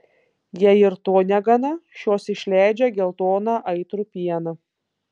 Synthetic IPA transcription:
jɛɪɾt̪oːnʲɛɡɐnɐʃʲjoːsɪʃʲlʲæˑɪd͡ʒʲɛɡʲɛlˠt̪oːnɑʔɐɪt̪ɾupʲiɛnɐ

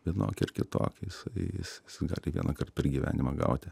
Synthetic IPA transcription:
ʋʲiɛno̰ːkʲɪrkʲɪt̪o̰ːkʲjɪsɐɪjɪ̰sjɪsɡɑ̰ːlʲɪʋʲḭɛnɐkɐrt̪pʲɛrɡʲiʋʲæ̰ːnʲɪmɐɡɐ̰ʊt̪ʲɪ

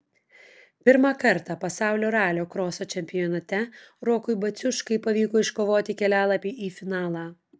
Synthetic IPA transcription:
pʲɪɾmɑkɐɾt̪ɑpɐsɑˑʊlʲoːɾɑːlʲoːkɾoːsoːt͡ʃʲɛmʲpʲɪjɔnɐt̪ʲɛɾoːkʊɪbɐt̪sʲʊʃkɐɪpɐʋʲiːkoːɪʃkoːʋoːt̪ʲɪkʲɛlʲæːlˠɐpʲiːʔiːfʲɪnɑːlˠɑː

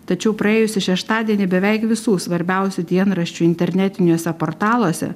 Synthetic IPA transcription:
t̪ɐt͡ʃʲɛʊpɾɐeːjʊsʲɪʃʲɛʃt̪ɑːd̪ʲiɛnʲɪbʲɛʋʲɛɪkʋʲɪsuːsʋɐɾʲbʲɛˑʊsʲud̪ʲiɛnɾɐʃʲt͡ʃʲuɪnʲt̪ʲɛɾʲnʲɛt̪ʲɪnʲuːsʲɛpoːɾt̪ɑːlˠoːsʲɛ̰

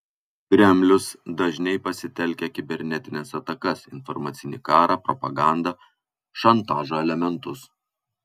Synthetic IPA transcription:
kʲɾʲɛmʲlʲʊsd̪ɐʒʲnʲɛɪpɐsʲɪt̪ʲɛlʲkʲɛkʲɪbʲɛɾʲnʲɛt̪ʲɪnʲɛsɐt̪ɐkɐsɪnfɔɾmɐt̪sʲɪnʲɪkɑːɾʔɑpɾɔpɐɡɑˑnd̪ɑ | ʃɐnt̪ɑːʒoːɛlʲɛmʲɛnt̪ʊs

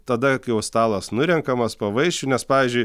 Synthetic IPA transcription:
t̪ɐd̪ɐkɐɪjɛʊst̪ɑːlˠɐsnʊɾʲɛŋkɐmɐspɐʋɐɪʃʲt͡ʃʲʊnʲɛspɑːʋʲizʲd͡ʒʲʊɪ

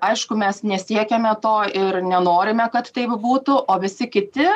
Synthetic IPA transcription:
ɐɪʃkʊmʲɛsnʲɛsʲiɛkʲɛmʲɛt̪oːɪɾnʲɛnoːɾʲɪmʲɛkɐt̪t̪ɐɪpbuːt̪ʊʔoːʋʲɪsʲɪkʲɪt̪ʲɪ

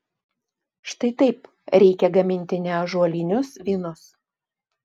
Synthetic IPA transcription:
ʃt̪ɐɪt̪ɐɪp | ɾʲɛɪkʲɛɡɐmʲɪnʲt̪ʲɪnʲɛʒuɔlʲinʲʊsʋʲiːnʊs

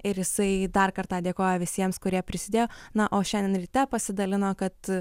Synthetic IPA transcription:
ɪɾjɪsɐɪd̪ɐrkɐrt̪ɑːd̪ʲeːkoːjoːʋʲɪsʲiɛmskʊɾʲiɛpʲɾʲɪsʲɪd̪ʲeːjoːnɐʔoːʃʲɛnd̪ʲɛnɾʲiːt̪ʲɛpɐsʲɪd̪ɐlʲɪnoːkɐt̪

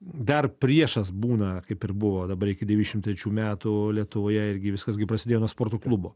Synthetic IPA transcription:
d̪ɐrpʲɾʲiɛʃɐsbuːnɐkɐɪpɪrbʊʋoːd̪ɐbɐɾɪkʲɪd̪ʲɛʋʲinʲɪʃʲɪmt̪ʲɾʲɛt͡ʃʲuːmʲæːt̪ulʲiɛt̪ʊʋoːjɛɪɾʲɡʲɪʋʲɪskɐsɡʲɪpɾɐsʲɪd̪ʲejonuɔspoːɾt̪oːklˠʊboː

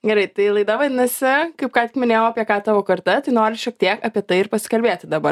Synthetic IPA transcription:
ɡʲɛɾɐɪt̪ɐɪlˠɐɪd̪ɐʋɐd̪ʲɪnɐsʲɪkɐɪp̚kɑːt̪ʲɪ̥kmʲɪnʲeːjoːɐpʲiɛkɑːt̪ɑːʋoːkɐɾt̪ɐt̪ɐɪnoːɾʲɪʃʲiɛk̚t̪ʲiɛkɐpʲiɛt̪ɐɪɪɾpɐsʲɪ̥kɐlʲbʲeːt̪ʲɪd̪ɐbɐ

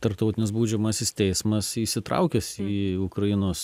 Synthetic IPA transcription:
t̪ɐɾp̚t̪ɐʊt̪ʲɪnʲɪs̬buːd͡ʒʲɛmɐsʲɪst̪ʲɛɪsmɐsiːsʲɪt̪ɾɐ̰ʊkʲɛsiːʊkɾɐjɪnoːs

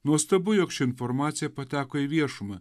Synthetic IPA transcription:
nuɔst̪ɐbʊjɔkt͡ʃʲɪɪnfɔɾmɑːt̪sʲɪjɛpɐt̪ʲæːkoiʋʲiɛʃʊmɐ

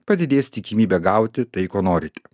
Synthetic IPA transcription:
pɐd̪ʲɪd̪ʲeːsʲt̪ʲɪkʲiːmʲiːbʲɛɡɐʊt̪ʲɪt̪ɐɪkoːnoːɾʲɪt̪ʲɛ̥

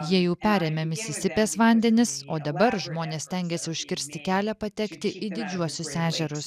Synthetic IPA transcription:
jiɛjɛʊpʲæːɾʲɛmʲɛmʲɪsʲɪsʲɪpʲeːsʋɑˑnʲd̪ʲɛnʲɪsoːd̪ɐbɐɾʒmoːnʲeːssʲt̪ʲɛŋʲɡʲɛsʲɪʊʃʲkʲɪɾʲsʲt̪ʲɪkʲæːlʲɛpɐt̪ʲɛkt̪ʲɪʔɪd̪ʲɪd͡ʒʲuɔsʲʊsæːʒʲɛɾʊs

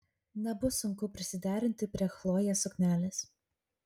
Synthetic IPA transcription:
nʲɛbʊsʊŋkʊpʲɾʲɪsʲɪd̪ʲæːɾʲɪnʲt̪ʲɪpʲɾʲiɛxlˠoːjɛsʊkʲmʲæːlʲɪs

